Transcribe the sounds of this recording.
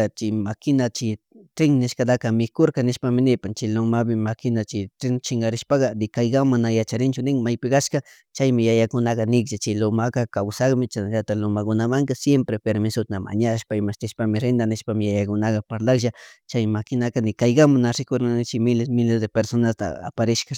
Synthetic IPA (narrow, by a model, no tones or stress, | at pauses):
t͡ʃɪmakɪnat͡ʃɪ | t̪ɾɪŋnɪʃkad̪akamɪkoɾkanɪʃpamɪnɪpant͡ʃɪlomabɪmakɪnat͡ʃɪt̪ɾɪŋt͡ʃɪŋɡaɾɪʃpakanɪkajɡamanajat͡ʃaɾɪnt͡ʃʊnɪŋmajpɪkaʃka | t͡ʃajmɪjajakʊnakanɪkʒat͡ʃɪlʊmakakawsakmɪt͡ʃanaʒat̪alʊmakʊnamaŋk̪asjempɾepeɾmɪsʊt̪ama̰ɲaʃpaɪmaʃt̪ɪʃpamɪɾend̪anɪʃpamɪjajakʊnakapaɾlakʒat͡ʃajmakɪnakanɪkajɡamanaɾɪkʊɾannɪt͡ʃɪmɪlesmɪlezd̪epeɾsonast̪a̰a̰paɾɪʃka